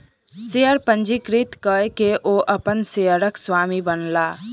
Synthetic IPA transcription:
seəɾpə̃nd͡ʒikɾit̪kəekeʔoʔəpənseəɾəkswaːmibənlaː

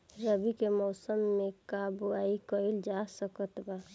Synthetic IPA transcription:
ɾəbikemɔːsəmːekabuaikəild͡ʒasəkət̪ba

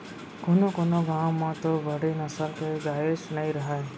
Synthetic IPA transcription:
kʊnokonoɡãwmãt̪obəɽinəsəlkeɡaeʃnəɦĩɾəɦae

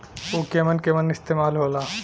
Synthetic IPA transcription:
oːkemənkemɐnɪst̪eːmaːlɦoːlaː

